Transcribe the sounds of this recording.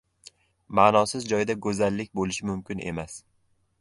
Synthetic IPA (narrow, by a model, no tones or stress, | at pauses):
maːnɒsɪzd͡ʒɒjɪd̪aɡɵzalːɪkʲbolɪʃɪmʊmkʲɪne̞̰mas